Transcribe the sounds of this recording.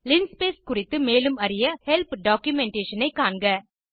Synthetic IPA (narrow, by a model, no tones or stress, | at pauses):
lɪnspeːskʊrɪt̪ːɯmeːlɯmɐɾɪjɐhɛlpɖaːkjʊmɛɳʈeːʂɐnɐɪkːaːɳɡɐ